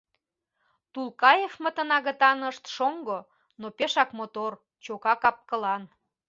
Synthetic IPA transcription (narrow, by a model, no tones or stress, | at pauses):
t̪ulkɑjefmət̪ə̆nɑɣə̆t̪ɑnəʃt̪ʃoŋɡo | nopeʃɑkmot̪or | t͡ɕokɑkɑp̚kəlɑn